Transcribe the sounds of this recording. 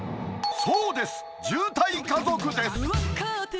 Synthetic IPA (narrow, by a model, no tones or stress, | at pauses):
soːd̪e̞sɨ̥ | d͡ʑɨːt̪aikãzokɯ̟d̪e̞sɨ̥